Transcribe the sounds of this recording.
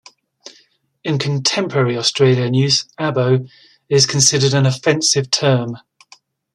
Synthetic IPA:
ɪ̃nkʰə̃ntʰɛ̃mpʰəɹɛɹiɒstɹ̥eɪljənjʉːzabəʊ | ɪz̥kʰə̃nsɪdədə̃nəfɛ̃nsɪv̥tʰɜːm

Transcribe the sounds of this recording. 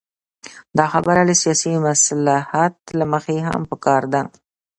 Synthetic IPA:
d̪ɑxabaɾaləsijɑsimaslahat̪laməxeɦa̰mpəkɑɾd̪a

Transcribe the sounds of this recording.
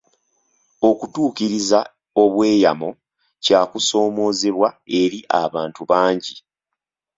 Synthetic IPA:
o̞kutuːkiɾiza | o̞βwe̞ːjamo | caːkuso̞ːmo̞ːzeβwae̞ɾiʔa̰βaːntuβaːɲɟi

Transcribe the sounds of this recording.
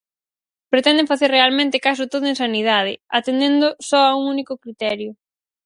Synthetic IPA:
pɾet̪ɛnd̪ẽŋfaθerealmẽnt̪ɪkas̬ʊt̪oðʊẽnsanið̞að̞ɪat̪end̪end̪ʊsɔauŋunikʊkɾit̪ɛɾjʊ

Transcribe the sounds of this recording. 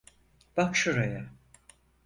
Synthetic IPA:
b̥akʃuɾaja

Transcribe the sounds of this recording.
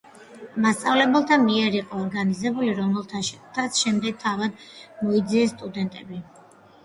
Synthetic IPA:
mast̪sʼavlɛbɛlˠt̪ʰamiɛɾiqʼɔːɾɡanizɛbuliɾɔɛlt̪ʰat̪sʰʃɛmd̪ɛɡ̥̚t̪ʰavad̪mɔid̪ziɛst̪ʼud̪ɛnt̪ʼɛbi

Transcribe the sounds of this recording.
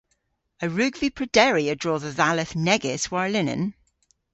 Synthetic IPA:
əɹʉːɡvipʰɹ̥ədɛɹiədɹɔːðəðalˠɪθnɛɡɪswaɹlɪnə̰̃n

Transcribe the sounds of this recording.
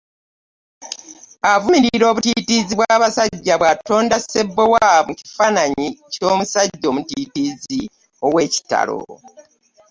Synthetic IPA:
avumiɾiiɾo̞ːβutitiziβwaːβasaɟːaβwato̞ːndase̞bːewamuci̥fanaɲico̞ːmusaɟːo̞ːmutitizi | o̞we̞ːci̥ta̰lo̞̰

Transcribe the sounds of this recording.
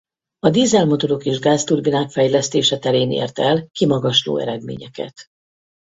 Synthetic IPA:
ɒd̪iːzɛlmo̞t̪o̞ɾo̞keʒɡaːst̪urbinaːkfɛjlɛst̪eːʃɛt̪ɛɾeːnḛːrt̪ɛlkimɒɡɒʃlo̰ːɛ̰ɾɛd̪mḛːɲɛkɛ̰t̪

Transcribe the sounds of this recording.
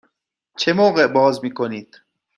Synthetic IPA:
t͡ʃʰemoːɣeʔbɒːzmiːkoniːd̪̥

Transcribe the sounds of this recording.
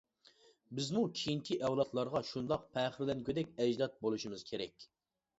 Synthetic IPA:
bɪzmukʲʰijiŋkʲʰiʔɛwlˠɑt̪lˠɑɾʁɑʃund̪ɑq̚pʰɛːχɪɾlɛnkʲʰød̪ɛkʲɛd͡ʒd̪ɑt̪̚bolˠuʃimɨz̥kʲʰeɾɛkʲ

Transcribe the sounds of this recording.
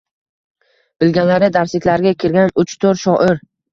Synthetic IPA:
b̥ɪlɡʲanlaɾɪd̪aɾslɪkʲlaɾɡʲakʲʰɪɾɡʲanʊt͡ʃʰt̪ʰoɾʃɒʔɪɾ

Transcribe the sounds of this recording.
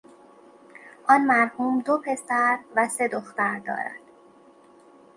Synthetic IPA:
ʔɒnmæɾhuːmd̪opʰe̞sæɾvæse̞d̪oxt̪æɾd̪ɒ̰ːɾæ̰nd̪̥

